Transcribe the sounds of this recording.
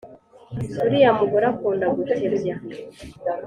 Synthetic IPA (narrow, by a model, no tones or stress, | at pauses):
kuɾijamuɡoɾakuːndaɡutiɾba